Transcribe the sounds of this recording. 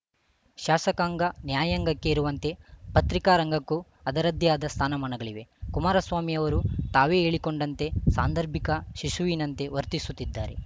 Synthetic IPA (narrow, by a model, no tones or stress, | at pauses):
ʃaːsɐkaːŋɡɐnjaːjɐŋɡɐkːe̞iɾuʋɐnt̪e̞pɐt̪ɾikaːɾɐŋɡɐkːu | ɐd̪ɐɾɐd̪jaːd̪ɐst̪ʰaːnɐmɐɳɐɡɐɭiʋe̞kumaːɾɐsʋaːmijɐʋɐɾut̪aːʋeːeːɭikoɳɖɐnt̪e̞sa̰ːnd̪ʱɐɾbʱikɐʃiʃuʋiːnɐnt̪e̞ʋɐɾt̪isut̪ːid̪ːaːɾe̞